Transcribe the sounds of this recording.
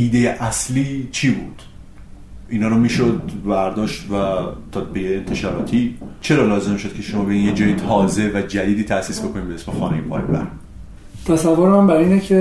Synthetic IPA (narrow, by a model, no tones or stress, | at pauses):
ʔiːd̪ejeʔæsliːt͡ʃʰiːbuːd̪̥ | ʔiːnɒːɾomiːʃod̪bæɾd̪ɒːʃt̪væt̪ʰːɒbejeːnt̪ʰe̞ʃɒːɾɒ̰ːt̪ʰit͡ʃʰe̞ɾɒːlɒːze̞mʃo̞d̪̥kcʰe̞ʃomɒːbeinjed͡ʒɒːjit̪ʰɒːze̞væd͡ʒæd̪iːd̪iːt̪ʰæsiːsbe̞ko̞nimbeesmexɒ̰ːnḛjipʰɒ̰jbæ̰ɾ | t̪ʰæsævːoɾemæmbæɾiːnecʰe